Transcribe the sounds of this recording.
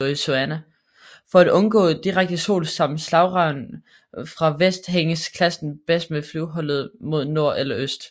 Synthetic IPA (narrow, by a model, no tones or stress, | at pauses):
isoænæ | fɒ̽æd̥ɔ̽nɡ̥ɔ̰̽ːd̥iʁaɡ̥̚d̥əso̝̰ːlsɑ̈m̰n̩slɑ̈ʊʁɑ̈ʊn | fʁɑ̈ʋesd̥ɦeŋəskʰlæsn̩b̥esd̥meflyʊɦɒ̽l̰ð̞̩ˠmo̝ð̞̰ˠno̝ɐ̰ʔelɐʔøsd̥